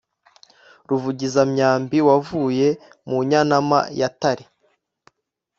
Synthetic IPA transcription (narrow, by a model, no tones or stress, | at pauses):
ɾuvuɟizamɲaːmbiwavuje̞ | muɲanama̰jataɾi